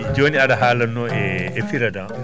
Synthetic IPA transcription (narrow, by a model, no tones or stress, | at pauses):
d͡ʒoːniaɗɐɦaːlɐnːɔɛːfiɾɐdãŋ